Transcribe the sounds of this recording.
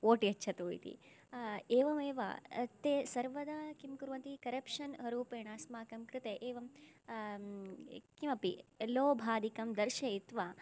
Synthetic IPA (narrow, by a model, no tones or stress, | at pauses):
oːʈiɐtːʃʰɐt̪oːit̪ḭ | eːʋɐmeːʋa̰t̪esɐɾʋɐd̪aːkimkuɾʋɐnt̪ikɐɾɐpʃɐnɐɾuːpeːɳ̃aːsmaːkɐmkɾɪt̪eʔeːʋɐm | kimɐpḭloːbʱaːd̪ikɐmd̪ɐɾʃeit̪ʋaː